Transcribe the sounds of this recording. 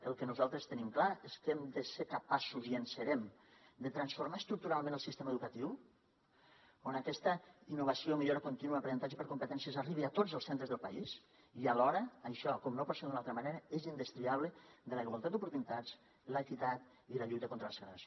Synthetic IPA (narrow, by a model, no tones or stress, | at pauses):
əlˠkənuzalˠt̪ɾəst̪ənimklaeskemd̪əseɾkapasuziənsəɾɛm | d̪ət̪ɾansfoɾmaəst̪ɾuk̚t̪uɾalˠmẽnəlˠsist̪eməðukat̪iw | onakɛst̪əinːuβɐsiomiʎoɾəkunt̪inuəpɾenənt̪ad͡ʒəpəɾkumpət̪ɛnsjəzariβiat̪od͡zəlˠsent̪ɾəzðəlˠpa̰is | ialɔɾəːʃɔkɔmnopɔt̪seðd̪unalˠt̪ɾəmaneɾəezind̪əst̪ɾiaβ̞ləd̪əliɣwalˠt̪at̪upuɾt̪unit̪ad͡z | ləːkit̪at̪ | iləʎut̪əkont̪ɾəlˠsəɣɾes